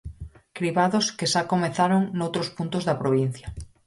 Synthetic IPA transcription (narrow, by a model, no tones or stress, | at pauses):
kɾiβaðoskeʃakomeθaɾoŋnowt̪ɾospunt̪ozðɐpɾoβin̟θja